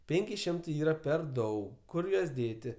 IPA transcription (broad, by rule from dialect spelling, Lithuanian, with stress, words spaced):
ˈpʲeːŋʲkʲɪ ˈʃʲɪmtɐɪ ˈiːrɐ pʲɛr ˈdɐʊk ˈkʊr juɔs ˈdʲeːtʲɪ